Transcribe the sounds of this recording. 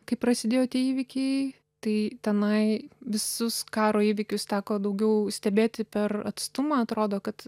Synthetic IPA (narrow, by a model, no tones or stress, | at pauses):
kɐɪpɾɐsʲɪd̪ʲeːjoːt̪ʲiɛiːʋʲɪkʲɛɪ | t̪ɐɪt̪ʲɛnɐɪʋʲɪsʊskɑːɾoːiːʋʲɪkʲʊssʲɑːkoːd̪ɐʊɡʲɛʊsʲt̪ʲɛbʲeːt̪ʲɪpʲɛrɐt̪st̪ʊmɐɐt̪ɾoːd̪oːkɐt̪